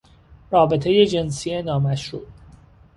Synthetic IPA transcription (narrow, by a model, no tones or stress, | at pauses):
rɒːbe̞t̪ʰe̞je̞d͡ʒe̞nsienɒːmæʃɾuː